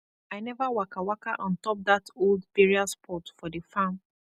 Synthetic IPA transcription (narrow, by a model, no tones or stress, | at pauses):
aɪnɛvawakawakaʔɔ̃ntɔp̚ðatolˠdbiɹiaspʰɔtfɔdəfãn